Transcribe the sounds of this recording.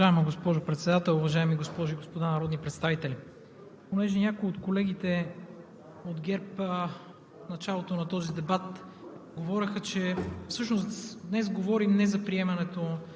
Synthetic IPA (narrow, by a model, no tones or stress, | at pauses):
ʒaɛmɐɡospɔʒopɾɛt̪sɛd̪at̪ɛlˠʊvɐʒaɛmiɡospɔʒoiɡospod̪anɐɾɔd̪nipɾɛt̪st̪avit̪ɛli | ponɛʒɛnʲakʊiot̪kolɛɡ̟it̪ɛ | od̪ɡɛɾpə | nɐt͡ʃalˠot̪onɐt̪ɔzid̪ɛbat̪ɡovɔɾʲɐxət͡ʃɛfsɤʃnosd̪nɛsɡovɔɾimnɛzɐpɾiɛmɐnɛt̪o